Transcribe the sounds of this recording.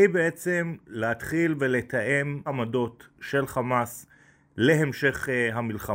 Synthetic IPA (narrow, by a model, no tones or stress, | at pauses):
ibeet͡se̞mlehat̪χilve̞le̞t̪aʔe̞mamado̞tʃe̞lχamas | le̞ɦemʃe̞χɦamilχa